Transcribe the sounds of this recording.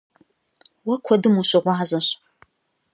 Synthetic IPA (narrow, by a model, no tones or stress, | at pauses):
wɐkʷʰɔdɨmuɕɪʁʷɑːzɐɕ